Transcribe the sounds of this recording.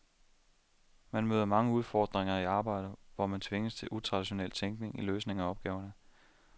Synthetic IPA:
mænmøːð̞ˠɐmɑ̈ŋəuð̞ˠfɒːd̥ʁeŋɐiɑ̈ːb̥ɑ̈ɪ̰d̥əʋɒmænt͡sʰʋe̝ŋəst͡sʰe̝lʔut͡sʰʁɑ̈d̥iɕo̝nel̰t͡sʰeŋɡ̥ne̝ŋiløːsne̝ŋæɒ̽b̥̚ɡ̥ɛːʊɐnə

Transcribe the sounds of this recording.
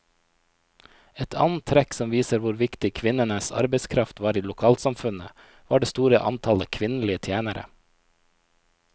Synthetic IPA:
ɛt̪ʰɑ̰ːnn̩t̪ʰːɾɛksɔmʋiːsəɾʋʊɾʋɪkt̪ɪkʰʋɪnənəsɑ̰ɾbəɪskʰɾɑft̪ʋɑːɾiːlʊkʰɑːlsɑmfʉnə | ʋɑːɖeːst̪uːɾəʔɑ̰nt̪ʰɑləkʰʋɪn̩lɪət̪ʰjæːnəɾə̰

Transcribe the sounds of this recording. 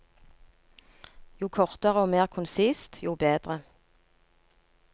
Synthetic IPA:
juːkʰɔʁt̪əʁəoːmeːʁkʰʊnsiːst̪juːbeːd̪ʁə

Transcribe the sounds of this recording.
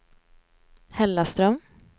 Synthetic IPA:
hɛlːast̪ɾœm

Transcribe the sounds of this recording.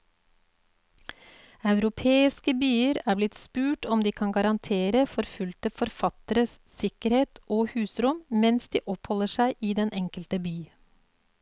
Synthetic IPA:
ɑʉɾʊpʰeːɪskəbyːəɾæːblɪt̪spʉːʈɔmd̪iːkʰɑŋɡɑɾɑnt̪ʰeːɾəfɔɾfʉlt̪əfɔɾfɑt̪əɾəssɪkəɾheːt̪ʔoːhʉːsɾʊmmɛnsd̪ḭːʔɔphɔləʃæɪʔiːd̪ɛnʔɛŋkəlt̪əbyː

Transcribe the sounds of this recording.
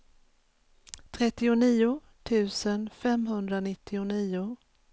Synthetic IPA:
t̪ʰɾɛt̪ːɪʊniːʊ | t̪ʰʉ̟ːsənfɛmɦɵnd̪ɾanɪt̪ːɪʊniːʊ

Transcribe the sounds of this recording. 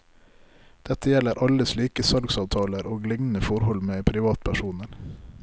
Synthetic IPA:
d̪̥ɛt̪əjɛləɾʔɑləsliːkəsɑlɡsɑːʋt̪ʰɑːləɾʔoːɡlɪŋnəfɔɾhɔlmeːpʰɾɪʋɑːt̪pʰæʃuːnəɾ

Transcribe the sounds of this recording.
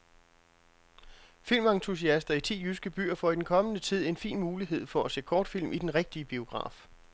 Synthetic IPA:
fil̰mɑŋt͡sʰus̬iæsd̥ɐit͡sʰḭːjysɡ̥əb̥y̰ːɐfɒ̽id̥enkʰɒ̽mənət͡sʰið̞̰ˠe̝nfḭːnmuːliɦe̝ð̞̰ˠfɒ̽æse̝̰ːkʰɒːd̥fil̰mʔid̥enʁeɡ̥̚d̥iəb̥io̝ɡ̥ʁɑ̰̈ːf

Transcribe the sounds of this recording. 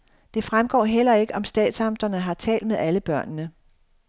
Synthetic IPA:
d̥e̝fʁamɡ̥ɒ̰ːɦel̰ɐe̝ɡ̥əʔɒ̽msd̥ɛ̰ːd̥sɑ̈md̥ɐnəɦɑ̈t͡sʰɛ̰ːld̥̚meðˠæləb̥ɶɐ̰nnə

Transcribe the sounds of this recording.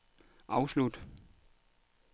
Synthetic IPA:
ʔa̰ʊʃlut

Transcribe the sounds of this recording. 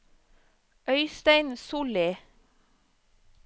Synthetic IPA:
ʔœʏst̪æɪnsuːleː

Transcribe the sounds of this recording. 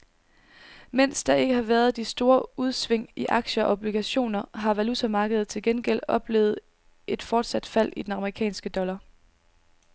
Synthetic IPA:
men̰sd̥ɑ̈e̝ɡ̥əhɑ̈ʋæɐð̞ˠd̥isd̥o̝ːɐuð̞ˠsʋe̝ŋ̰iʔɑ̈ɡ̥ɕəɒ̽ɒb̥liɡ̥æɕo̝̰ːnɐɦɑ̈ʋælut͡sʰæmɑ̈ːɡ̥əð̩ˠt͡sʰe̝lɡ̥enɡ̥el̰ɒ̽b̥le̝̰ːʊð̞̩ˠ | e̝d̥fɒːd̥sæd̥fæl̰id̥enɑ̈məʁikʰɛ̰ːnsɡ̥əd̥ɒ̽lɐ

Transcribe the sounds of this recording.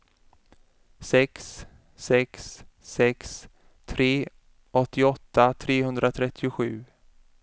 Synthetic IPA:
sɛksː | ɛksː | ɛks | t̪ʰɾeː | ʔɔt̪ːɪɔt̪ʰːat̪ʰɾeːhɵnd̪ɾat̪ʰɾɛt̪ʰːɪʊɧʉ̟ː

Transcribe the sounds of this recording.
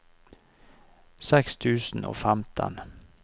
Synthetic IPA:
sɛkst̪ʰʉːsn̩o̰ːfæmt̪ʰə̰n

